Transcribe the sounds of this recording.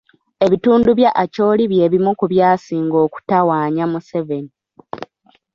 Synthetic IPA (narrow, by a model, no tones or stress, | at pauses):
e̞βituːnduβjaʔːco̞ːliβje̞ːβimukuβjaːsiːŋɡo̞ːku̥tawaːɲamuse̞ve̞ni